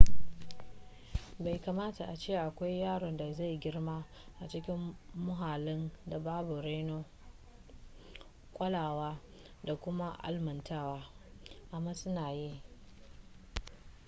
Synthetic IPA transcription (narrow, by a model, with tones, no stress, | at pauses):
ba˨jka˨maː˦ta˨ʔa˨t͡ʃeː˦˨ʔa˨kʷa˦jːaː˦ɽɔ˨nda˨za˦˨jɡʲɪ˦rmaː˦ | ʔa˨t͡ʃɪ˦kʲɪ˦mːʊ˦ɦaː˨lɪ˦nda˨baː˦bu˨ɾe˦noː˦ | kʷʼɐ˦laː˨waː˦ | da˨kʷʊ˦ma˦ʔa̰˦lmɐ˨ntaː˦waː˦ | ʔa˨mːaː˦sʊ˦naː˨jiː˦